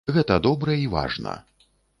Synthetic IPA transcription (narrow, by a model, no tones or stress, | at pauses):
ɣɛt̪ɐd̪ɔbɾɐiva̰ʐnɐ̰